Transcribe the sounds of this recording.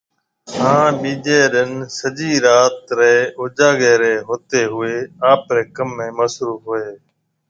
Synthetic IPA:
ɦãːɓĩːd͡ʒeːɾənsəd͡ʒiːɾaːt̪ɾeːoːd͡ʒaːɡeːɾeːɦoːt̪eːɦʊeːaːpɾeːkəmːẽːməsɾuːfɦʊeː

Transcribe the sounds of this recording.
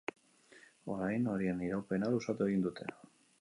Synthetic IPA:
o̞̰ɾajno̞ɾieniɾawpe̞nalusat̪ue̞ɣind̪ut̪ʰe̞̰

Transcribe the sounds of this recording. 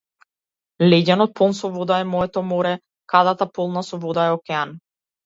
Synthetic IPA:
lɛɟanɔt̪̚pɔlˠnsɔvɔd̪aɛmɔɛt̪ɔmɔɾɛ | kad̪at̪apɔlˠnasɔvɔd̪aɛɔkɛan

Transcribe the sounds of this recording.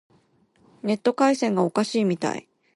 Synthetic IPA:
ne̞t̪ːo̞kaisẽ̞ŋɡao̞kaɕiːmʲit̪a̰ḭ

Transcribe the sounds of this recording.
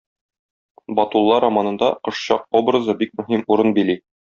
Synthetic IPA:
bɒt̪ulˠːɑɾɐmɑnɤ̆nd̪ɑqɤ̆ʃɕɑq̚obrɤ̆zɤbik̚mɵ̆ɦimuɾɤnbili

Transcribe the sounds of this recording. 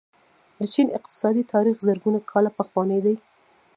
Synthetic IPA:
d̪ət͡ʃinɪq̚t̪ɪ̥sɑd̪it̪ʰɑɾixzəɾɡunakʰɑlapəxwɑnəjd̪aj

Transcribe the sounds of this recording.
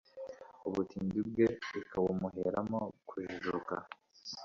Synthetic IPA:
uβutʰiːndib̚ɡe̞ikawomuɦeɾamokʰuʒuʒuka̰

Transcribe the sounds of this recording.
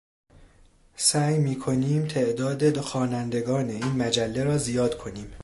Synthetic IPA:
sæːjmiːkʰo̞niːmt̪ʰe̞ʔd̪ɒːd̪ed̪oxɒːnænd̪e̞ɡɒːne̞iːnmæd͡ʒælːeɾɒːzijɒːd̪̥kʰo̞niːm

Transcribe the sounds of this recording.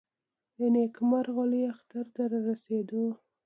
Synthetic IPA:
janekmaɾɣaliaxt̪aɾd̪əɾaɾased̪o

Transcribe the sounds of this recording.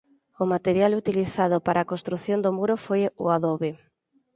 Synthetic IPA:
ʊmat̪eɾjalut̪iliθað̞ʊpaɾaːkõnst̪ɾuθjond̪omuɾofojʊaðoβe

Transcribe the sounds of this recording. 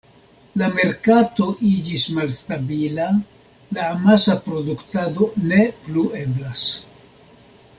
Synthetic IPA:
lame̞ɾkato̞ʔid͡ʒismalstabila | laːmasapɾo̞duktado̞ne̞plue̞blas

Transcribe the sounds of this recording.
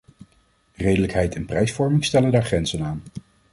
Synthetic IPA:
rejdələkɦɛjtɛnprɛjsfɔɹmɪŋstɛləndaːɹχrɛnzənaːn

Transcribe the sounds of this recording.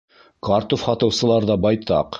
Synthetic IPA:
kɑɾt̪ofχɑt̪ɤ̆wsɤ̆lˠɑɾðɑbɑjt̪ɑ̰q

